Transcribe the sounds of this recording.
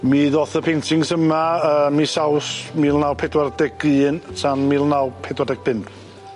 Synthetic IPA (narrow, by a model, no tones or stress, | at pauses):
miːðoːθəpʰejntʰɪŋsəmaəːmisawsmiːlˠnawpʰɛdwardɛɡɨːnsʰanmiːlˠnawpʰɛdwardɛɡ̚b̥ɪn